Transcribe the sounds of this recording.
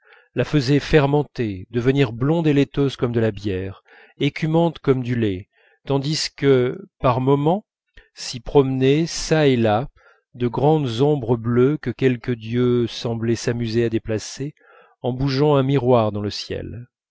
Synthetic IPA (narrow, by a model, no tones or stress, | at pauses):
lafəzɛfɛʁmɑ̃t̪ed̪əvəniʁblɔ̃d̪elet̪ozkɔmd̪əlabjɛʁ | ekʲʰymɑ̃t̪kɔmd̪ylɛ | t̪ɑ̃d̪iskəpaʁmɔmɑ̃ | sipχɔmnɛsaela | d̪əɡʁɑ̃d̪zɔ̃bʁəbløkəkʲɛlkəd̪jøsɑ̃blɛsamyzead̪eplase | ɑ̃buʒɑ̃ɛ̃miʁwaʁd̪ɑ̃ləsjɛ̰l